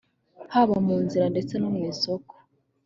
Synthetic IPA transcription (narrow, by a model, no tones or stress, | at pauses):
haβamuːnziɾande̞t͡se̞nomŋiːso̞ko̥